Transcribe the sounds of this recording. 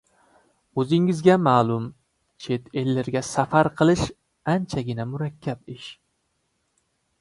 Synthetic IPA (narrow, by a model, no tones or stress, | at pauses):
ɵzɪŋɪzɡʲamaːlˠʊm | t͡ʃʰet̪ʰelːɪɾɡʲasafaɾqʰɨlˠɪʃ | ant͡ʃʰaɡʲɪnamʊɾakʲʰːapɪʃ